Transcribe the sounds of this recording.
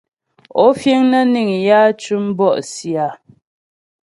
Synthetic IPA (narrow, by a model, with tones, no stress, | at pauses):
ɔ˦fje˦ŋnə˦ni˨ŋ˨ja˦t͡ʃu˦m˦bɔ˦˨ʔsja˨